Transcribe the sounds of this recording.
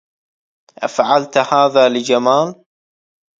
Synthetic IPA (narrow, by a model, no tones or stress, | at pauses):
ʔa̰faʕalt̪haːðaːlɪd͡ʒamaːl